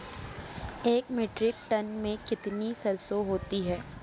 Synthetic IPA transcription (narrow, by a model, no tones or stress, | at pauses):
eːkmeːʈɾɪk̚ʈɐnmẽkɪt̪nisɐlsoɦoːt̪iɦɛː